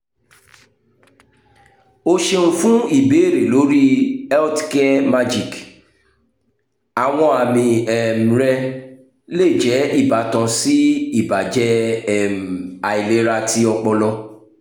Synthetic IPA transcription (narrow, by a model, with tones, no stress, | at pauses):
o˧ʃe˧nũ˦fũ˦i˦˨be˨˦e˦˨ɾe˨lo˨˦ɾi˦ɛ˦ltkɛ˦ma˧d͡ʒi˨k | a˨w̃ɔ̃˧a˨mĩ˧ɛ˨m̩˨ɾɛ˧ | le˦˨d͡ʒɛ˨˦i˦˨ba˨˦tã˧si˦i˦˨ba˨d͡ʒɛ˦ɛ˦˨m˨a˨i˨le˨˦ɾa˧ti˧˦ɔ˧k͡pɔ˧lɔ˧